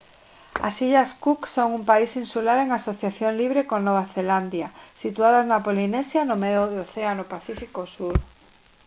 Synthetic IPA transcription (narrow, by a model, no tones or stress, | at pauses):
a̰siʎaskuksoŋumpaisinsulaɾeŋasoθjaθjoŋliβ̞ɾekonoβ̞aθeland̪jasit̪uaðaznapolinesjanomeoðeoθeanopaθifikosuɾ